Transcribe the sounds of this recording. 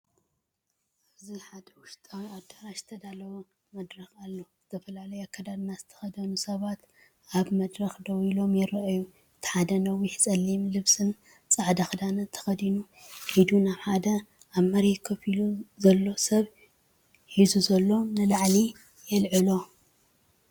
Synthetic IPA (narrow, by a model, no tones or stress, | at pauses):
ɨziħad̪ɐwʊʃt̪ʼawad̪aɾaʃɨ̥t̪ʰɐd̪alɐwo | mɐd̪ɾɐxalːozɨt̪ʰɐfɐlalɐjkʰɐd̪ad̪nazɨt̪ʰɐ̥xɐd̪ɐnusɐβat̪ | aβmɐd̪ɾɐxd̪ɐwilo̞mjɛɾɐʔju | ɨt̪ʰħad̪ɐnɐwiħt͡sʼɐlːimlɨβsɨn | t͡sʼaʕd̪ɐxɨd̪anɐt̪ʰɐ̥xɐd̪inu | ħid̪unaβħad̪ɐ | aβmɐɾikʰɐfiluzɐlːo̞sɐβ | ħizuzɐlːo̞nɨlaʕli | jɛlʕɨlo̞